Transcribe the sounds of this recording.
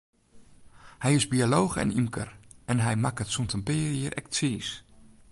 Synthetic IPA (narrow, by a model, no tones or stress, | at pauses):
hɛjɪsbialoːxɛ̰nimkərʔɛnɦɛjmakətsuntʰəmpɪːɾjiəɾʔɛ̰k̚tsiːs